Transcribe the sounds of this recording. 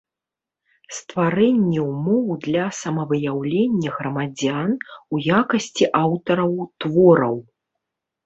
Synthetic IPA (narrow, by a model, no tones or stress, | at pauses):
st̪vaɾɛnʲːɛumɔwd̪lʲɐsɐmɐvɨjawlʲenʲːɐɣɾɐmad͡zʲanujakɐsʲt͡sʲiʔawt̪ɐɾɐwt̪vɔɾɐw